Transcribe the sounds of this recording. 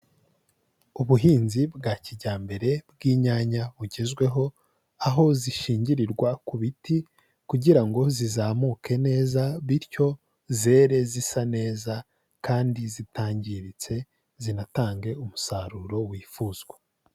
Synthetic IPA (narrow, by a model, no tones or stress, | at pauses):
uβuɦiːnzibɡaːciɟaːmbe̞ɾe̞b̚ɡiːɲaːɲaβuɟe̞zɡwe̞ɦo̞ | aɦo̞ziʃiːɲɟiɾiɾɡwakuβiti | kuɟiɾaŋɡo̞zizaːmuːkʰe̞ne̞ːzaβiɾco̞ | ze̞ːɾe̞zisane̞ːza | kaːndizitaːɲɟiɾit͡se̞ | zinataːŋɡe̞umusaɾuɾo̞wiːfuːzɡwa